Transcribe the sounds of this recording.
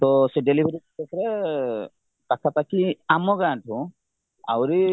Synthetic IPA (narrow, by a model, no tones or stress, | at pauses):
t̪ɔsɛɖelibʱeɾitekʰɾɛ | takʰapakiamɔɡatʰũ | a̰wɾi